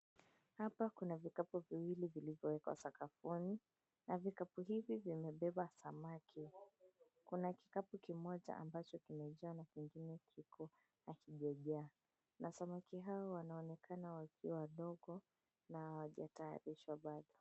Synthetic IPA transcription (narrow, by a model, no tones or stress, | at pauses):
hapakunavikapuviwilivilivjɔwɛkwa̰sakafuni | navikapuɦivivimɛɓɛɓasamakʰi | kunaki̥kapukimɔʄa̰ʔa̰mbat͡ʃɔkimɛʄɛanakiŋɡinɛkʰikʰɔ | hakiʄaʄaː | nasamakiɦaɔwanaɔnɛkʰanawakiawaɗɔɡɔ | nawaʄataa̰ɾiʃwaɓaɗɔ